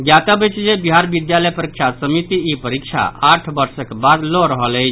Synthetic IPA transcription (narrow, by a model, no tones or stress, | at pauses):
ɡjat̪əbət͡ʃd͡ʒebiɦaɾbid̪jaləjpəɾikt͡ʃʰasəmit̪iipəɾikt͡ʃʰa̰ʔaʈʰbəɾsəkbad̪loɾəɦələɪt͡ʃʰ